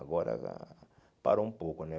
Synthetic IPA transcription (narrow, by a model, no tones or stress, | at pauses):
ɡoɾa̰ka̰ | pa̰ɾum̩pukune